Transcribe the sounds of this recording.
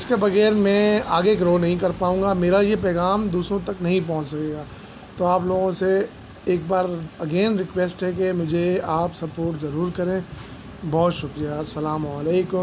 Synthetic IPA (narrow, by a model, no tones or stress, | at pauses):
ɪskebɐɣɛːɾmɛ̃ːaːɡeɡɾoːnɐɦĩkɐɾpaːũːŋ̆ɡameːɾajep̬ɛːɡaːmd̪uːsɾõt̪ɐknɐɦĩp̬ɔ̃ɦʊ̃t͡ʃsɐkeːɡaː | t̪oaːploːɡõse | eːk̚baːɾɐɡeːnɾɪkʋeːsʈɦɛkemʊd͡ʒʱeaːpsɐpoːɾʈzɐɾuːɾkɐɾẽ | bɔɦt̪ʃʊkɾijasɐlaːmaːleːkʊm